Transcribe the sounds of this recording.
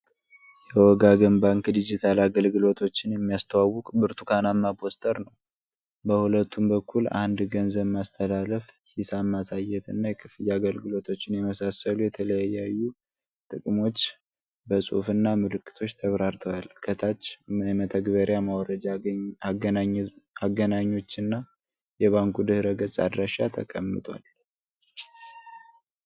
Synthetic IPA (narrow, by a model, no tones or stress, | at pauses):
jɛwɔɡaɡɨmbaŋkd̪id͡ʒit̪ʰalaɡəlɡɨlo̞t̪ʰo̞t͡ʃːɪnjɛmːijast̪ʰəwawʊkʼbɨɾt̪ʰukʰanamːapʰo̞st̪ʰʼəɾnəw | bəhulət̪ːumbəkʰːula̰nd̪ɡənzəβmast̪ʰəlaləfhisamːasajɛt̪ɨnːajɛkʰɨfɨjaaɡəlɡɨlo̞t̪ʰo̞t͡ʃːɪnjɛməsasəlujɛt̪ʰələjajajːu | t̪ʼɨkʼmo̞t͡ʃː | bəsʼṵfɨnːamɨlɨkːɨ̥t̪ʰo̞t͡ʃːt̪ʰəβɾaɾt̪ʰəwalkʰət̪ʰat͡ʃːmmət̪ʰəɡβəɾjamawɔɾə | aɡənaɲːo̞t͡ʃːɨnːa | jɛβaŋkʰud̪ɨhɾəɡəsʼa̰d̪ɾaʃat̪ʰə̰kʼə̰mːɨ̰t̪ʼwa̰l